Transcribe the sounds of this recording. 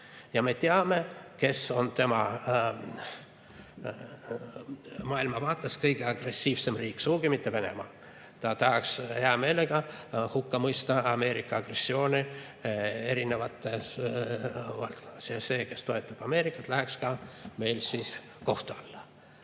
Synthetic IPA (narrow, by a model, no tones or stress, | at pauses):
jɑme̞t̪eɑme̞ke̞so̞nt̪e̞mɑ | mɑːilmɑvɑːt̪ːˑeskɤjɡ̥eɑɡ̥re̞sːiːvse̞mriːksuːɡ̥imit̪ːe̞ve̞ne̞̰mɑ̰ | t̪ɑt̪ɑɦɑksheɑme̞ːleɡ̥ɑhukːɑmɤjst̪ɑɑme̞ːɾikːˑɑɑɡ̥re̞sːio̞ːnʲi | e̞ɾine̞vɑt̪ːˑe̞s | vɑlt̪̚konːɑsjɑse̞ːke̞st̪o̞e̞t̪ːˑɑb̥ɑme̞ːɾikːˑɑt̪læɦekskɑme̞jlsiːs | ko̞ht̪uɑlːɑ